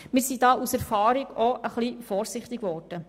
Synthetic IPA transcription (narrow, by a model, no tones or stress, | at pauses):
mɪːɾsidɑːʔusɛɾfɑːɾiɡoʔəχlifɔːɾsɪχt̪ɪɡʋɔːrd̥ə